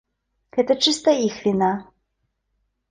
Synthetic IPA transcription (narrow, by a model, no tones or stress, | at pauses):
ɣɛt̪ɐt͡ʂɨst̪ɐixvʲina